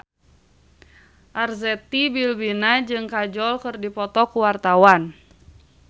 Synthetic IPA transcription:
ʔarzɛt̪ibilbinad͡ʒɨŋkad͡ʒɔlkɨrdipɔt̪ɔkuwart̪awan

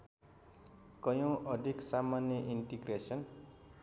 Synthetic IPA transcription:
kʌjõʔʌd̪ʱiksamanjʌʔinʈiɡresʌn

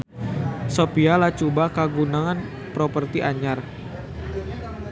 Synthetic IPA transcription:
sopialat͡ʃubakaɡunaŋan | pɾopərt̪iʔaɲar

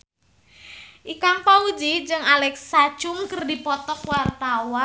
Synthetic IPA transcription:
ʔikaŋpaud͡ʒid͡ʒɨŋalɛksḁt͡ʃʊŋkərdipɔt̪ɔkwart̪awa

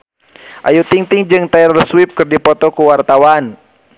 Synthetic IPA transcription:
ʔa̰jut̪iŋt̪iŋd͡ʒɨŋt̪aɛɾɔrswip̚kɨrdipɔt̪ɔkuwart̪awan

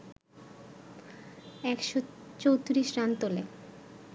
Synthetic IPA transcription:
ɛkʃot͡ɕowt̪ɾiʃɾant̪ole

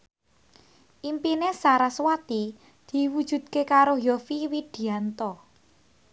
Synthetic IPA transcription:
ʔimpinesaɾaswat̪i | d̪̥i̤wud̥ʒ̥ṳd̪̥̚kekaɾojɔfiwid̪̥i̤ant̪ɔ

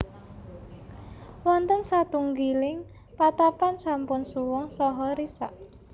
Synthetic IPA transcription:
wɔnt̪əŋsat̪uŋɡilɪŋ | pat̪apansampʊnsuwɔŋsɔɦɔɾisa̰ʔ

